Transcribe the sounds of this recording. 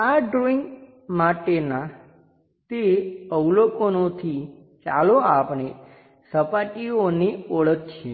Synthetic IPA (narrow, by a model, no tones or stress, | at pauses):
aɖɾoĩŋɡ | maʈena | t̪eəʋlokonot̪ʰi | t͡ʃa̰loapɳ̃e | səpaʈioneoɭət̪t͡ʃʰe